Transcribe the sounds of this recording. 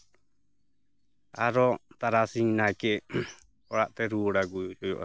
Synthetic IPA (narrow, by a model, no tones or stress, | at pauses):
aɾɔt̪aɾasiŋnaɛkɛ | ɔɾaʔt̪ɛɾuɔɽaɡud͡ʒɔjɔʔa̰